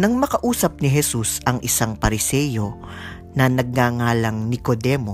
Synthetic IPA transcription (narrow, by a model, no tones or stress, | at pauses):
nɐŋmɐkɐʔuːsɐp̚nɪɦɛsusɐŋʔɪsaŋpɐɾɪsɛːjo̞ | nɐnɐɡ̚ŋaːŋaːlɐŋnɪkod̪ɛːmo